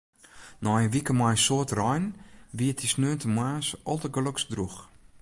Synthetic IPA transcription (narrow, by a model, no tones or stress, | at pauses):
nɔjəʋikəmɔjsoətrɔjnʋiətisnøːntʰəmwaːsʔɔlˠtəɡəloksdrux